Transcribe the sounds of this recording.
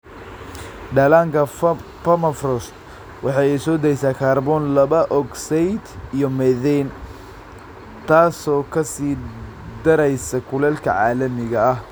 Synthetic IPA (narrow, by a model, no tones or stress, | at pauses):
ɖɐlaːŋkʰɐ | fɐmɐfrɔst̪ | wɑħɑɛsɔːd̪ɐjsaːkʰaːrbɔnlɐβɐʔɔɡsɛjd̪ijɔmɛðɛn | t̪ʰaːsɔːkʰɐsiː | d̪ɐɾɛjsɐkʰʊlɛlkʰɐ̰ʕɑːlɐmɪɣɐɐh